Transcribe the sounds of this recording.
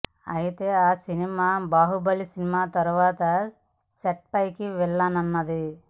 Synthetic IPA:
ɐ̰ɦit̪eaːsinimaːbaːɦubɐlisinimaːt̪ɐɾʋaːt̪ɐ | seʈ̚pɐjkiʋɛlːɐnɐnːɐd̪i

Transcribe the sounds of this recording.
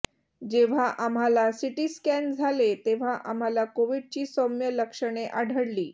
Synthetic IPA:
d͡ʑeʋ̤aʔam̤alasiʈiːskænd͡zʱalet̪eʋ̤aʔam̤alakoʋiɽ̚t͡ɕiːsɔmjələkʂəɽ̃eʔaɽʱəɽliː

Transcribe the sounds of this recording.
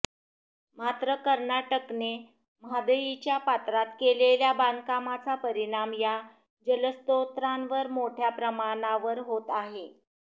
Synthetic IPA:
mat̪ɾəkəɾnaʈəkne | mɦad̪əjit͡ɕjapat̪ɾat̪keleljabankamat͡sapəɾiɽ̃amja | d͡ʑələst̪ot̪ɾanʋəɾmoʈʰjapɾəmaɽ̃aʋəɾɦot̪aɦe

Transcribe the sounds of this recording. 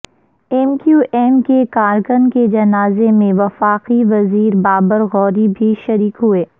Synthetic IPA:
ɛːmkjuːʔɛːmkekaːɾkʊnked͡ʒɐnaːzemẽʋɐfaːqiʋɐziːɾbaːbəɾɣɔːɾibʱiʃɐɾiːkɦueː

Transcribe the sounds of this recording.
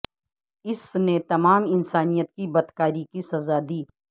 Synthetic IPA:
ɪsnet̪ɐmaːmɪnsaːnijət̪̚kibɐd̪kaːɾikisɐzad̪iː

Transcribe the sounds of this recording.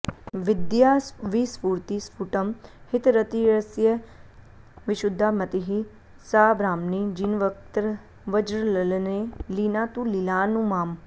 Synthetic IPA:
ʋɪd̪jaːʋiːspuːɾt̪iːspʰuːʈəmhɪt̪ɾət̪iɾəsjə | ʋɪʃʊd̪ʱːaːmət̪iɦi | saːbɾaːmnid͡ʒinʋəkt̪əɾ | ʋəd͡ʒɾləlneliːnaːt̪ũːlilaːnũmaːm

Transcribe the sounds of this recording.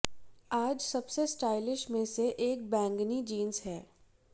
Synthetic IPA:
aːd͡ʒsɐbsesʈaːɪlɪʃmẽseʔeːk̚bɛ̃ːŋɡnid͡ʒiːnzɦɛː

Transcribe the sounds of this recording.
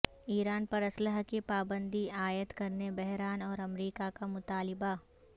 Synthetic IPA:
iːɾaːnpɐɾɐsləɦkepaːbə̃nd̪iaːjət̪kɐɾnebɛɦɾaːnɔːɾɐmɾiːkakamʊt̪aːlɪba

